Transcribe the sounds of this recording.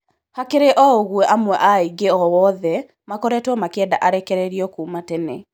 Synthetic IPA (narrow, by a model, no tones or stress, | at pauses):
hakeɾeʔɔoɣwɛʔamwɛʔaiɡeɔwɔðɛ | makɔɾɛtwɔmakɛndaʔaɾɛkɛɾɛɾiɔkuːmatɛne